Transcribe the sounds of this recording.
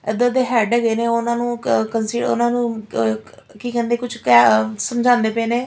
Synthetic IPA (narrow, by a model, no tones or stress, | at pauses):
ɪd̪əd̪eːɦɛːɖəɡeːneːʊnãːnũːkənsiɖʊ̰nãːnũː | kiːkɛ̃ːnd̪eːkʊt͡ʃʰkɛːsəmd͡ʒʱãːnd̪eːpɛ̃ːneː